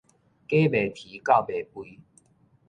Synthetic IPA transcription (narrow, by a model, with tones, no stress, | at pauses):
ke˦be˨˩t̪ʰi˨˦ka˥˨ʊbe˨˩pwi˦